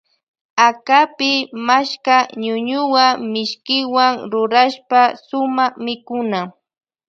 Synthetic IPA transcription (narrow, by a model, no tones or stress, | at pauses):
akapɪmaʃkaɲʊɲʊwamɪʃkɪwaŋɾʊɾaʃpasʊmaχmɪkʊna